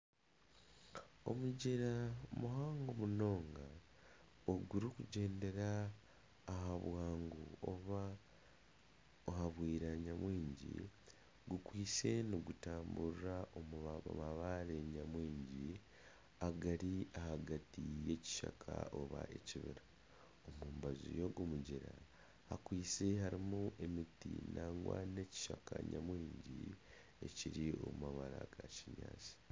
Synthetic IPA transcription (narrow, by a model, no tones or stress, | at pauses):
o̞̰muɟeɾamuɦaːŋɡo̞muno̞ːŋɡa | oɡuɾikuɟe̞ːnde̞ɾaː | ɦaβwaːŋɡuoβa | ohaβwiːɾaɲamwiːɲɟḭ | ɡukwiːse̞niɡutaːmburaʔomuo̰maβaɾe̞ɲamwiːɲɟi | aɡaɾiahaɡatije̞ci̥ʃakʰaoβaʔe̞ciβiɾa | omuːmbazṵjo̞ɡomuɟiɾa | hakwiːse̞haɾimuʔe̞mitḭnaːŋɡwa̰ne̞ci̥ʃakaɲamwiːɲɟi | e̞ciɾio̞mumaβaɾaɡaciɲa̰ːt͡si̥